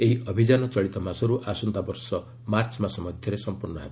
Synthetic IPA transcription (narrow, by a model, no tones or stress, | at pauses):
eɦiʔɔbʱid͡ʒanɔt͡ʃɔɭit̪ɔmasɔɾuʔasunt̪abɔɾsɔ | maɾt͡ʃmasɔmɔd̪ʱjɔɾesɔmpuɾnɔɦabi